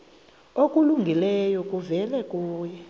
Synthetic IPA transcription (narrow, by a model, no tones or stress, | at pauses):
okʼuluŋɡʱilɛjɔk̬ʼuvɛlɛkʼuːjɛ